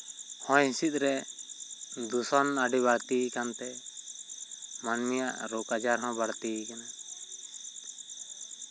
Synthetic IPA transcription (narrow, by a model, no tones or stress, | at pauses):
hɔ̃jhĩsit̪̚ˀɾɛ | d̪usɔnaɖiβaɽt̪ikant̪ɛ | manmija̰ʔɾɔkad͡ʒaɾɦɔ̃baɽt̪ikana